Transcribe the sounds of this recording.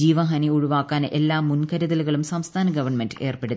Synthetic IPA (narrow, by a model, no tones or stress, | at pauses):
iːʋɐɦɐniuɻuʋaːkːaːnʔelːaːmːunkɐɾɐðɐluɣɐɭumsɐmst̪ʰaːnɐɡɐʋɐɳmendɨe̞ːrpeɽu